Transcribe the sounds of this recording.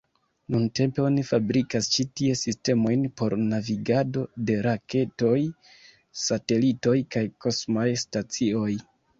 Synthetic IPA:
nunte̞mpe̞o̞nifabɾikast͡ʃitie̞siste̞mo̞jnpo̞ɾnaviɡado̞de̞ɾake̞to̞j | sate̞lito̞jkajko̞smajstat͡sio̞j

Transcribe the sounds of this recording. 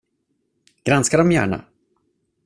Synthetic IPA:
ɡ̥ɾanskaɖɔmjæ̰ːɳa̰

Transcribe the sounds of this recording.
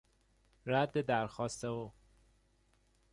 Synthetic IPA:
ɾæd̪ːed̪æɾxɒːst̪ewo

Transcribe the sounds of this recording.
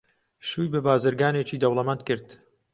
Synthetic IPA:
ʃuːjbɨbaːzɨɾɡaːneːt͡ʃiːd̪ɐwlˠɐmɐnt̪̚kɨɾd̪

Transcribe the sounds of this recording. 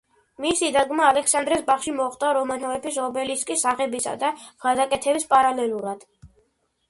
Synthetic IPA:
misid̪aɡmaːlɛksand̪ɾɛsbaχʃimɔχt̪ʼaɾɔmanɔvɛpʰis̬ɔbɛliskʼisaχɛbisa̰d̪aɡ̥ad̪akʼɛt̪ʰɛbispʼaɾalɛluɾad̪̥

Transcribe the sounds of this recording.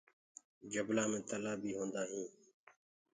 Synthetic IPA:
d͡ʒəblaːmẽːt̪əlaːbʱiːɦõːnd̪aːɦĩː

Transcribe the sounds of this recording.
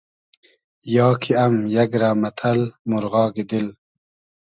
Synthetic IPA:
jɑːkʰiɐmjaɡɾaːmɐt̪ʰɐlmuɾɣɑːɡid̪il

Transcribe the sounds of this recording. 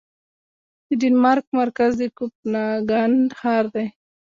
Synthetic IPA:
d̪əɖinmaɾk̚maɾkazd̪ekup̚naɡanɖhaɾd̪aj

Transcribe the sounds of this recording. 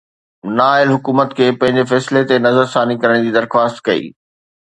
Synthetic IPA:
naːɪlɦʊkuːmət̪kʰeːpɐ̃ɦɪ̃ɲd͡ʑefɛːslet̪enɐzəɾsaːnikɐɾəɽ̃d͡ʑiːd̪ɐɾxwaːst̪kɐḭː

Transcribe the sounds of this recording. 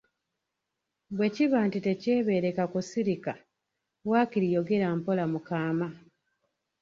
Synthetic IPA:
βwe̞ciβaːntite̞ce̞ːβe̞ːɾe̞kakusiɾika | waːkiɾijo̞ɡe̞ɾampo̞lamukaːma

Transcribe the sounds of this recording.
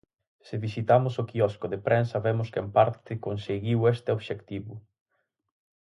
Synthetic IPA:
sɪβisit̪amʊsokiɔskoðepɾɛnsɐβɛmʊskempaɾt̪ɪkonseɣiwɛst̪eoβʃekt̪iβʊ

